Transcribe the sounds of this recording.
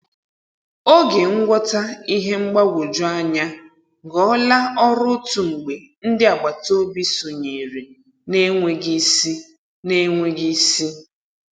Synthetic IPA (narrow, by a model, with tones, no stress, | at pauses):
o˦ɡe˨ŋ̩˦ɡʷɔ˦ta˦i˦ɦe˦ŋ͡m̩˦ɡ͡ba˦ɡʷo˨d͡ʒʊ˦a˦ɲa˦ | ɡɔ˨˦la˦ɔ˦ɾʊ˦tu˨ŋ͡m̩˨ɡ͡be˨ | n̩˦dɪ˦a˨ɡ͡ba˨to˦bi˦so˨ɲe˨ɾe˨ | ne˦ŋʷe˨ɡi˦si˦ | ne˦ŋʷe˦ɡi˦si˦